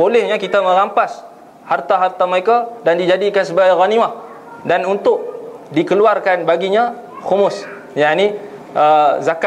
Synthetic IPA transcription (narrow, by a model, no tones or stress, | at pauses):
bolɛhɲakit̪amə̃ɾampas | hart̪aɦart̪aməɾekadandid͡ʒadikansəbaɡajɣaniwah | danunt̪ʊʔ̚dikəluarkanbaɡiɲa | xumʊs | jaʔni | əzaka